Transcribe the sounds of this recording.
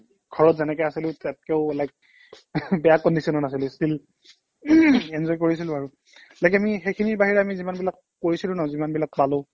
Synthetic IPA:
ɡ̥ʱɔɹɔtzɛnɛkɛasilʊ̃tatkɛʊlajk̚ | bɛjakɔndisɔnɔnas̬ilʊstil | ɛnzɔjk̬oɹis̬ilʊ̃aɹu | lajkɛamixekʰiniɹbaɦiɹɛamizimanbilakːoɹisilʊ̃nɔzimanbilak̚palʊ̃

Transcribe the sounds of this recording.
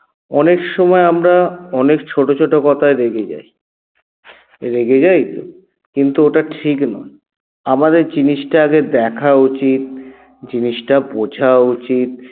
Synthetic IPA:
ɔnekʃɔmɔeamɾaɔnekt͡ɕʰoʈot͡ɕʰoʈokɔt̪ʰaeɾeɡed͡ʑa̰j | ɾekʰed͡ʑajt̪o̰ | kint̪uoʈaʈʰiknɔ̰e | amad̪eɾd͡ʑiniʃʈaaɡed̪ɛkʰaut͡ɕit̪̚ | d͡ʑiniʃʈabod͡ʑʱaut͡ɕit̪̚

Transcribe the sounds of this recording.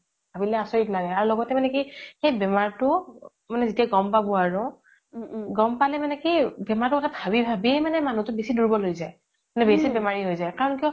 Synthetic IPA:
b̥ʱabilɛasɔɹitnaɡɛaɹulɔɡɔtɛmanɛkixejbɛmaɹtʊ | manɛzitiaɡɔmpabɔaɹʊ | ɡɔmpalɛmanɛkibɛmaɹtʊkɔtʰabʱabibʱabiejmanɛmanũtʊbesiduɹibɔlojzaj | manɛbesibɛmaɹiɦojzajkaɹɔnkiɔ

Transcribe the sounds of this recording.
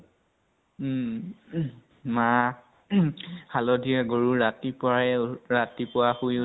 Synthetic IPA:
ma | halɔdʱiaɡoɹuɹatipɔaɛɹatipʊwaxuj

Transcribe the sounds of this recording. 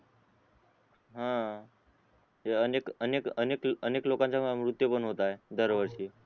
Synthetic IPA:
ɦã | ɦeənekənekənekəneklokãɲt͡ɕjamɾut̪jəpəɳɦot̪aed̪əɾʋəɾɕiː

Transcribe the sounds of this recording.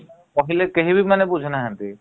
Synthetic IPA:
koɦilekeɦibimanebud͡ʒʱɔnaɦant̪i

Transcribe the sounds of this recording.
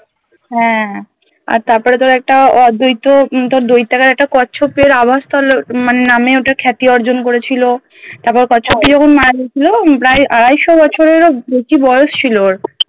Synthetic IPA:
ɦɛ̃ | a̰ɾt̪aɾpɔɾet̪oɾɛk̚ʈaɔd̪ojt̪ːot̪oɾd̪ojt̪ːakaɾɛk̚ʈakɔːʃʰopeɾabʱast̪ʰɔlomanenameoʈakʰɛt̪iɔɾd͡ʑonkoɾet͡ɕʰilo | t̪aɾpɔɾekɔt͡ɕʰop̚ʈid͡ʑɔkʰonmaɾaɡiet͡ɕʰilopɾaeʔaɾajʃobɔt͡ɕʰoɾeɾobet͡ɕibɔjoʃt͡ɕʰiloɾ

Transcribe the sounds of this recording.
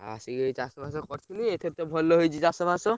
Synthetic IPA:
a̰siɡeit͡ʃasɔbʱasɔkɔɾt͡ʃʰiliet̪ʰet̪ɔbʱɔlːɔɦojt͡ʃʰit͡ʃasɔbʱasɔ

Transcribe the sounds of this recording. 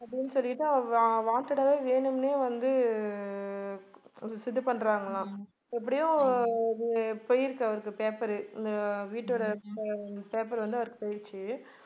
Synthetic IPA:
ɐpːɐɽɪnːɯsɔlːɪʈːɯʋaːnt̪ɪɽɐʋeːʋeːnɯmneːʋɐnd̪ɯ | sɪd̪ːɯpɐɳːɾaːŋɡɐlãː | ɛpːɐɽɪjʊ̃ | pɔjɪɾɯkːɐʋɐɾɯkːɯpeːpɐɾɯɪnd̪ɐʋiːʈːɯɽɐ | peːp̬ɐɾʋɐnd̪ɯɐʋɐɾɯkːɯpɔjɪɾt͡ʃːɯ

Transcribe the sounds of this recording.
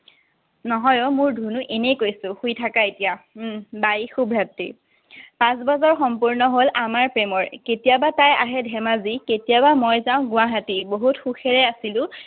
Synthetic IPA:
nɔɦɔjomʊɹdʱunuʔenejkojsʊ̃xujtʰakaetijabajxubʱɹatːḭ | pãs̬bɔzɔɹxɔmpuɹnɔɦolamaɹpɹemɔɹketijabataja̰ɦɛdʱɛmaziketijabamɔjzaʊ̃ɡʊwaɦatiboɦutxuxʰeɹɛasilʊ̃

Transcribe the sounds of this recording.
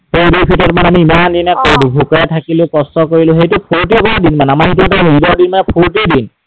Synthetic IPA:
hejbipʰitɔt̚manamiːmandinɛkodbʱukɔɹɛtʰakilʊ̃kɔstɔkoɹilʊ̃xejtʊpʰuɹtikɔɹadinmanamaitutaubɔɹdinmanɛpʰuɹtidin

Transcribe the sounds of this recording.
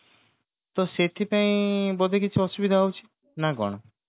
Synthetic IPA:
t̪ɔset̪ʰipaĩbɔd̪ekit͡ʃʰuɔsubid̪ʱaɦowt͡ʃʰi̥ | nakɔ̰ɽ̃o

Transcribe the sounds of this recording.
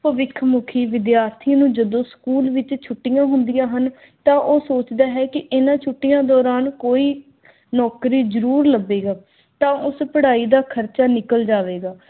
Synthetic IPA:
pəʋɪkʰmʊkʰiːʋɪd̪jaːɾt̪ʰinũːd͡ʒəd̪õːskuːlʋɪt͡ʃt͡ʃʰʊʈːɪjãːɦʊnd̪ɪjãːɦən | t̪ãːʔoːsoːt͡ʃd̪aːɦɛːkɪʔɪnãːt͡ʃʰʊʈːɪjãːd̪ɔːɾaːnkoːiː | nɔːkɾiːzəɾuːɾləbːeːɡaː | t̪ãːʔʊspəɽaːiːd̪aːkʰəɾt͡ʃaːnɪkəld͡ʒaːʋeːɡaː

